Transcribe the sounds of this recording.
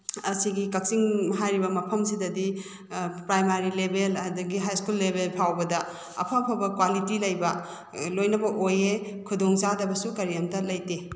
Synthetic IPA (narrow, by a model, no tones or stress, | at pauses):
ɐsiɡikɐk̚siŋmɐɦajɾibɐmɐpʰɐmsidɐdi | pɾajmaɾilebelɐdɐɡiɦajskulːebelpʰawbɐdɐ | ɐ̰pʰɐpʰɐbɐkwalitilɐjbɐ | lojnɐbɐʔoje | kʰudoŋzadɐbɐsukɐɾiɐmtɐlɐjte